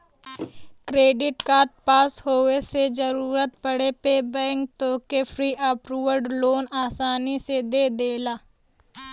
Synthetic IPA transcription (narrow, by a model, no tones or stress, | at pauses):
kɾeːɖɪʈkaːʈ̚paːshoːwesed͡ʒəɾuːɾət̪̚pəɽepeːbɛ̃ːŋk̚t̪oːkepʰɾiːʔapɾuːʋəɾɖloːnaːsaːnised̪eːd̪eːlaː